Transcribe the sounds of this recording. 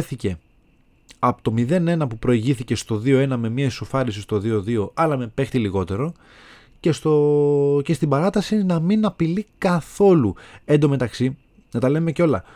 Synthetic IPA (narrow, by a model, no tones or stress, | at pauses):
θice̞ | ɐpot̪o̞miðe̞ne̞nɐpupɾo̞iʝiθice̞st̪o̞ðio̞e̞nɐme̞miɐesofɐɾisist̪o̞ðioðio̞ʔɐlɐme̞pe̞xt̪iliɣo̞t̪e̞ɾo̞ | cest̪oce̞st̪ibɐɾɐt̪ɐsinɐminɐpilikɐθo̞luend̪o̞me̞t̪ɐksi | nɐt̪ɐle̞me̞ceo̞lɐ̰